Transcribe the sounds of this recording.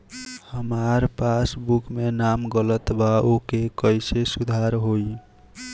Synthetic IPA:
həmaɾpasbukmenamɡələt̪baokekəjsesud̪ʱaɾɦoi

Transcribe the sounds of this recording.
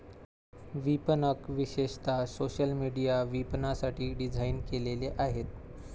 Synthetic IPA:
ʋipənəkʋiɕeɕt̪asoɕəlmiɽijaʋipnasaʈʰiːɖid͡zʱainkeleleʔaɦet̪

